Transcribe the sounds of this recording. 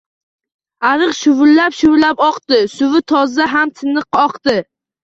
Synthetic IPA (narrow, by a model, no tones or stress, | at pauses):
aɾɨqʃʊvʊlːapʃʊvlapɒqt̪ɪsʊvɪt̪ʰɒzaɦamt̪ʰɪnɨqɒqt̪ɪ